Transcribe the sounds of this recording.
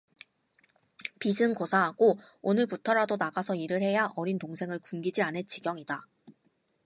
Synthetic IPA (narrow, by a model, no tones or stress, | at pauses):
pisʰɯŋkosʰaɦaɡ̥o | onɯɭputʰʌɾadonaɡasʰʌiɾɯɭhe̞jaʔʌɾintoŋsʰe̞ŋɯɭkumɡid͡ʑianɯt͡ɕiɡjʌŋida